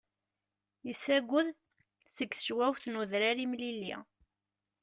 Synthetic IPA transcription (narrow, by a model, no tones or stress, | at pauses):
jəsːæɡʷːʊð | səkːθə̥ʃwæwθnuðɾaɾimlilːḭ